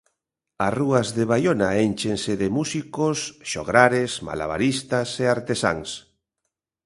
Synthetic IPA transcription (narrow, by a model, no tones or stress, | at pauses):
asruazðeβajonaenʲt͡ʃenseðemusikosʃoɣɾaɾesma̰la̰βa̰ɾist̪aseaɾt̪esa̰ŋs